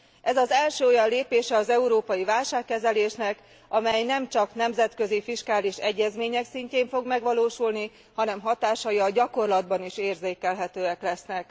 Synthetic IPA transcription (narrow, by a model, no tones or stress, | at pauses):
ʔɛzɒzɛlʃøːojɒnleːpeːʃɛɒzɛuɾoːpɒjivaːlʃaːkːɛzɛleːʃnɛk | ɒmɛjnɛmt͡ʃɒknɛmzɛt̪kø̞zifiʃkaːliʃɛɟːɛzmeːɲɛksiɲceːɱfo̞ɡmɛɡʋɒloːʃulni | hɒnɛmɦɒt̪aːʃɒjɒɟɒko̞rlɒd̪̚bɒniʃeːrzeːkɛlɦɛt̪øːɛklɛsnɛk